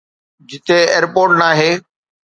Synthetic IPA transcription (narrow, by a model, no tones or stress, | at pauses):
d͡ʑɪt̪eeːɾpoːɾʈnaːɦeː